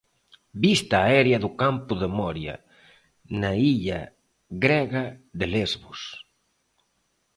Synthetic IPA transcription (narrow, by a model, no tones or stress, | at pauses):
bist̪aːɛɾjɐðʊkampʊðemɔɾjɐ̰ | naiʎɐ̰ | ɣɾɛɣɐðelezβʊs